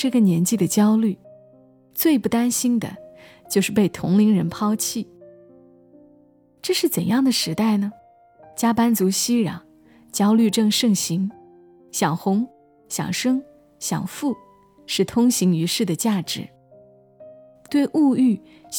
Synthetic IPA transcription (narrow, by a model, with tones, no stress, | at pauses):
ʈ͡ʂɤ˥˩ɡə˩njɛ˧˥nt͡ɕi˥˩d̪ə˩t͡ɕjɑ˥ʊly˥˩ | t͡swe˥˧ɪpu˥˩t̪a˥nɕi˥nd̪ə̰˨t͡ɕjo˥˧ʊʂɻ̩˥˧pe˥˩ɪt̪ʰʊ̰˧˥ŋli˧˥ŋɻə˧˥npʰɑ˥ʊt͡ɕʰi˥˩ | ʈ͡ʂɤ˥˧ʂɻ̩˥˩t͡sə˨˩njɑ˥˩ŋd̪ə˩ʂɻ̩˧˥t̪a˥˩ɪnə˩ | t͡ɕja˥pa˥nt͡su˧˥ɕi˥ɻɑ̰˨˩˦ŋ | t͡ɕjɑ˥ʊly˥˧ʈ͡ʂɤ˥˧ŋʂɤ˥˩ŋɕi˧˥ŋ | ɕjɑ˨˩ŋxʊ˧˥ŋ | ɕjɑ̰˨˩ŋʂɤ˥ŋ | ɕjɑ̰˨˩ŋfu˥˧ | ʂɻ̩˥˩t̪ʰʊ˥ŋɕi˧˥ŋy˧˥ʂɻ̩˥˩d̪ə˩t͡ɕja˥˩ʈ͡ʂɻ̩˧˥ | t̪we˥˧ɪʔu˥˧y˥˩